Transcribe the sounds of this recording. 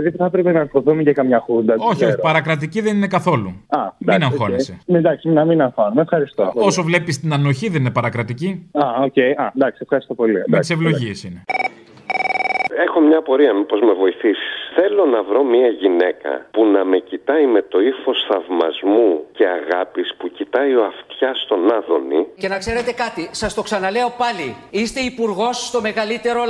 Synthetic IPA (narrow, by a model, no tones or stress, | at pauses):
piðipuθɐpɾepenɐnfoθumecɐkɐmɲɐxund̪ɐoçioçipɐɾɐkɾɐt̪iciðe̞ninekɐθo̞luɐmd̪ɐinɐŋxosened̪ɐksiminɐminɐnxɐnumefxɐɾist̪oo̞sovle̞pist̪inɐno̞çiðe̞ninepɐɾɐkɾɐt̪iciɐoce̞jɐnd̪ɐksiefxɐɾist̪o̞po̞limiɐsevlo̞ʝiesine | e̞xo̞mɲɐpo̞ɾiɐmipo̞zme̞vo̞iθisi̥sθe̞lo̞nɐvɾo̞miɐʝine̞kɐ̰punɐme̞cit̪ɐime̞t̪o̞iθo̞sθɐvmɐ̰zmuce̞ɐɣɐpispucit̪ɐio̞ɐft̪çɐst̪o̞nɐðo̞̰nḭce̞nɐkse̞ɾe̞t̪e̞kɐt̪isɐst̪o̞ksɐnɐle̞o̞pɐliist̪e̞ipuɾɣo̞sːt̪o̞me̞ɣɐlit̪e̞ɾo